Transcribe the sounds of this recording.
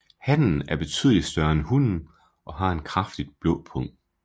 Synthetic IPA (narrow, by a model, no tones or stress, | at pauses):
hæn̰n̩æɐb̥e̝t͡sʰyːðˠəlid̥sd̥ɶɐenhun̰n̩ | ʔɒ̽ɦɑ̈e̝nkʰʁɑfd̥id̥̚b̥lɔ̰̽ːpʰɔ̽ŋ̰d̥